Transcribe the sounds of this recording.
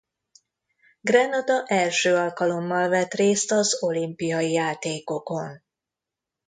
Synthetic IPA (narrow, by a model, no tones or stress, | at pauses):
ɡrɛnɒd̪ɒʔɛlʃøːɒlkɒlo̞mːɒlvɛt̪reːst̪ɒzo̞limpijɒjijaːt̪eːko̞ko̞n